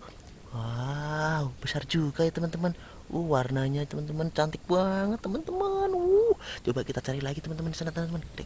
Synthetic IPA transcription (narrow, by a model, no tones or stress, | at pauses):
wa | ub̥əsard͡ʒuɡajat̪əmənt̪əmən | ṵhwarnaɲat̪əmənt̪əmənt͡ʃant̪ɪk̚buaŋət̪ːəmənt̪əmənuht͡ʃobaʔkit̪at͡ʃaɾilaɡit̪əmənt̪əmənisənat̪əmənt̪əmənɾḛ